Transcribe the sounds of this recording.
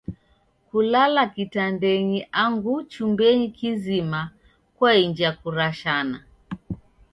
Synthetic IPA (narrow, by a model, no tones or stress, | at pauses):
kulalakitandɛɲiʔaŋɡut͡ʃumbɛɲikizima | kwaiɲd͡ʒiakuɾaʃana